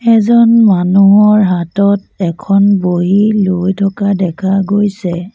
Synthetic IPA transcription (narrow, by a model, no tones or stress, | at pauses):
ɛzɔnmanuɦɔɹɦatɔt | ɛkʰɔnboɦilojtʰɔkadɛkʰaɡojsɛ